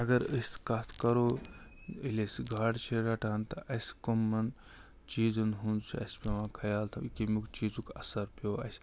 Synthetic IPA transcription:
ɐɡɐɾəskat̪ʰkɐɾo | ilʲesɡʱaːɽt͡ʃʰeɾɐʈʰant̪ɐʔɐskomːɐn | t͡ʃiːd͡zunɦunt͡ʃʰuɐ̰speʋãːkʰɐjaːlt̪ʰɐkimukt͡ʃiːd͡zukɐsɐɾpoːɐ̰s

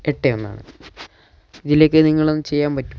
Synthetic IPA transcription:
eʈːejo̞nːa̰ːɳɨ̰ | iðilo̞ːkːɨniŋːɐɭonːɨt͡ɕe̞jːaːmpɐtːu̥

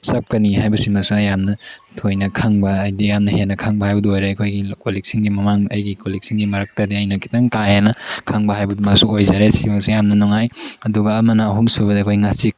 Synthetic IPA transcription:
sap̚kɐniɦajbɐsimɐsuɐjamnɐtʰojnɐkʰaŋbɐːjdijamnɐɦenːɐkʰaŋbɐhajbɐduojɾaɐkʰojɡikolek̚siŋɡimɐmaŋɐjɡikolik̚siŋɡimɐɾɐk̚tadiɐjnɐkʰi̥taŋkahenɐkʰaŋbɐhajbɐdumɐsuojzaɾesimɐsujamnɐnɔŋajɐduɡɐːmɐnɐːɦumsubɐdikʰojŋasik̚

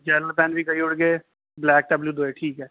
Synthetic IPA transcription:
d͡ʒɛlpɛ̃ːnbʱikɐiʊɽɡeː | blɛːk̚ɖɐbljud̪oːeʈʰiːkɦɛː

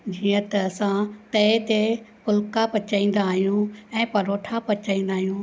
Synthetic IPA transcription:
d͡ʑiːə̃t̪ɐɐsãt̪ɐt̪epʊlkapɐt͡ʃaːĩːn̆d̪aːɦijũɛ̃ːpɐɾoːʈʰapɐt͡ɕaːĩnd̪aːɦijũː

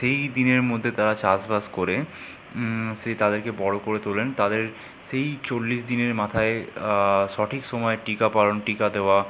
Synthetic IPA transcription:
ʃejd̪ineɾmod̪ʱːet̪aɾat͡ɕasbaskoɾe | ʃet̪ad̪eɾkebɔɽokoɾet̪olent̪ad̪eɾ | ʃejt͡ɕolːiʃd̪ineɾmat̪ʰae | ʃɔʈʰikʃɔmɔeʈikapaɾonʈikad̪eoa

